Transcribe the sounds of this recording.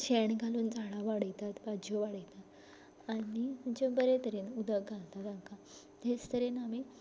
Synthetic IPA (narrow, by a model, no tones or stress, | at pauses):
ɕeɳɡʱaluːnd͡zaɽaʋaɽəjt̪at̪bad͡ʑʱjoʋaɽəjt̪at̪ | aɽim̤ənd͡ʑebəɾet̪əɾenud̪əɡʱãnt̪ad̪ãŋka | t̪est̪ʰəɾenami